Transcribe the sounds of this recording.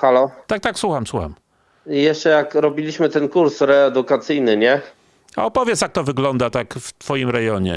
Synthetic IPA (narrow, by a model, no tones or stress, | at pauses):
xalɔt̪ak̚t̪akswuxamswuxa̰m | jɛʂt͡ʂɛjakɾɔbʲilʲiɕmɘt̪ɛnkuɾsɾɛːd̪ukat̪sɘjnɘɲɛ | aɔpɔvʲjɛt̪sjak̚t̪ɔvɘɡlɔnd̪at̪akft̪fɔjimɾɛjɔɲɛ̰